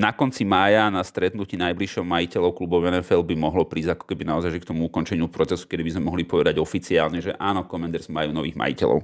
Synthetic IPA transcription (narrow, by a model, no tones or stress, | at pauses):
nakɔnt͡simaːjanast̪ɾɛt̪nuciːnajbliʃɔmmajicɛlɔʊklubɔʊɛnɛfɛlbimɔɦlɔpɾiːzakɔ̥kɛbinaɔzajʒɛkt̪ɔmuukɔnt͡ʃɛɲɪupɾɔt͡sɛsu̥kɛd̪ibizmɛmɔɦlipɔʋɛd̪aɟɔfit͡siaːlɲɛʒɛʔaːnɔkɔmɛnd̪ɛɾzmajunɔʋiːɣma̰jḭcɛ̰lɔ̰ʊ